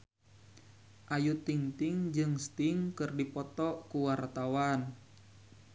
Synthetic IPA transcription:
ʔajut̪iŋt̪iŋd͡ʒɨŋst̪iŋkɨrdipɔt̪ɔkuwart̪awan

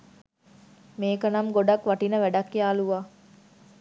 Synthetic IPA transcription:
meːkɐnɐmɡoɖɐkʋɐʈinəʋæɖɐkːiaːluʋaː

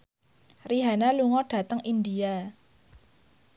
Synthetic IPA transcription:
riɦanaluŋɔɖ̥ä̤t̪əŋʔindia

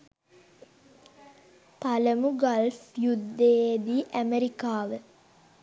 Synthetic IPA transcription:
paləmuɡalfjud̪ːejed̪iʔæmeɾikaːʋə

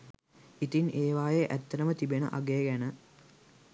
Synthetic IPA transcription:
it̪ineːʋaːjeʔæt̪ːɐɾəmət̪ibenə̰ʔa̰ɡejɡænə

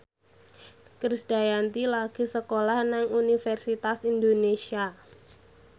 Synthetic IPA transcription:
kɾisdajant̪ilaɡ̥i̤səkolahnaŋunifɛrsit̪asindonesia

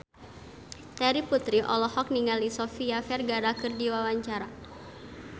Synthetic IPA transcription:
t̪ɛɾiput̪ɾiʔɔlɔhɔk̚niŋalisɔfiafɛrɡaɾakɨrdiwawaɲt͡ʃaɾa

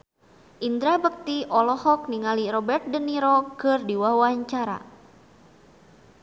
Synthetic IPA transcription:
ʔind̪ɾabəp̚t̪iʔɔlɔhɔk̚niŋalirɔbɛrt̪̚dəniɾokɨrdiwawaɲt͡ʃaɾa̰

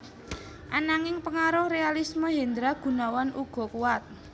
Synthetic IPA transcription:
ʔanaŋɪŋpəŋaɾʊhrealisməɦend̪ɾaɡ̥ṳnawanʔuɡ̥ɔ̤kuwat̪̚

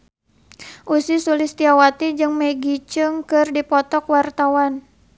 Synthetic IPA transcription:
ʔusisulɪst̪iawat̪id͡ʒɨŋmeɡit͡ʃəŋkɨrdipɔt̪ɔkwart̪awan

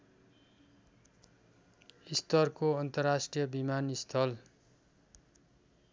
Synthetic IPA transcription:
ist̪ʌrkoʌnt̪ʌrːasʈrijʌbimanist̪ʰʌl

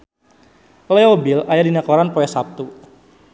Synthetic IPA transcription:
lɛobilajadinakɔɾanpɔjɛsap̚t̪u

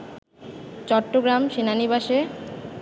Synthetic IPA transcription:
t͡ɕɔʈːoɡɾamʃinanibaʃe

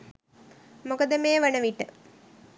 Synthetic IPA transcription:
mokəd̪əmeːʋɐnəʋiʈːə

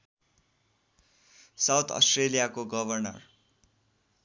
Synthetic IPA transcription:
sawt̪ʰʌ̰sʈrelijakoɡʌbʱʌrnʌ̰r

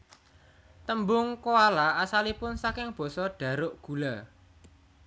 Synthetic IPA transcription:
t̪əmbʊŋkoalaasalipʊnsakɪŋb̥ɔ̤sɔɖ̥ä̤ɾʊʔɡ̥ṳla

